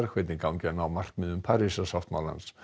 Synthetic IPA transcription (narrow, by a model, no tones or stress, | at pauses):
rχwɛdinɡʰawnɡɛnɔmar̥k̚mɨənpʰaɾɪsɔsɔftʰmɔlˠa̰ns